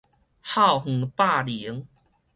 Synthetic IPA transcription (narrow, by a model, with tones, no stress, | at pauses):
ha˥˧˨whŋ̩˨˩pa˥˨li˨˦ŋ